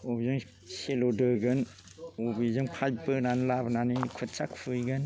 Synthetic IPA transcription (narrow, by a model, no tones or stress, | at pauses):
obizɯŋ | selodɯɡɯn | obizɯŋpʰajpɯnanlabnanikʰut̚t͡ʃakpʰɯjɡɯn